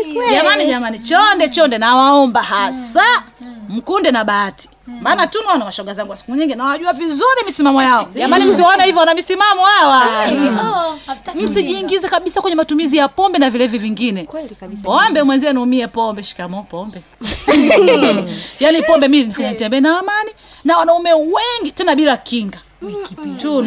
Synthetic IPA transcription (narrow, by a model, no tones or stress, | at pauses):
ʄamaniʄamanit͡ʃɔndɛt͡ʃɔndɛnawaɔmbahasam̩kundɛnaɓaːti̥maːnatuniwanamaʃɔɡazaŋɡuwasi̥kuɲiŋɡinawaʄuavizuɾimisimamɔjaɔʄamanim̩siwaɔnahivjɔwanamisimamɔawa | m̩siʄiːŋɡizɛkaɓisakwɛɲɛmatumizijapɔmbɛnavilɛviviŋɡinɛpɔmbɛmwɛnziɛniumiɛpɔmbɛʃi̥kamɔpɔmbɛ | janipɔmbɛmiinifaɲanitɛmbɛnaamani | nawanaumɛwɛŋɡitɛnaɓilakʰiŋɡa | niitu